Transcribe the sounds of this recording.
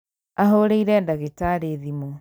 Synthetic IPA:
aɦoɾeiɾɛndaɣetaɾeðimɔ

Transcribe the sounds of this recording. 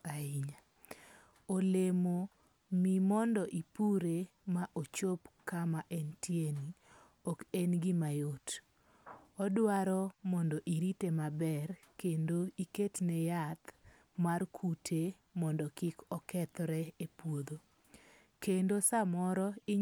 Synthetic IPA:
aiɲa | olemo | mimɔndɔʔipuɾemaʔot͡ʃopkamaʔɛntjeni | ɔkɛnɡɪmajot | ɔdwaɾɔmɔndɔʔiɾitemabɛr | kendoiketnɛjat̪ | markʰutʰe | mɔndɔkɪkɔkɛt̪ɾɛepwod̪o | kendosamɔɾɔɪ

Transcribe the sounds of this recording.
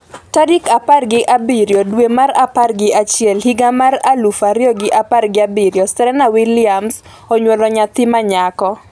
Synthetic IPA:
tadɪkaparɡɪʔabiɾjɔdwemaɾaparɡɪʔat͡ʃɪɛlhiɡamaɾalufaɾjɔɡɪʔaparɡɪabiɾjɔstɛɾɛnawilɪams | ɔɲwɔlɔɲat̪ɪmaɲakɔ

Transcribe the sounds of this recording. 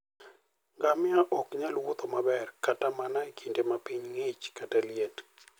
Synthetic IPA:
ŋɡamɪaʔɔkɲalwʊt̪omabɛrkatamanakʰindemapiɲŋet͡ʃkatalɪet

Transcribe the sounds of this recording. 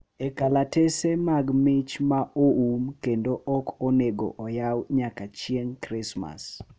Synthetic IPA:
ekalatesemaɡmɪt͡ʃmaʔoumkendoʔɔkoneɡo̰ʔɔjawɲakat͡ʃieŋkɾɪsma̰s

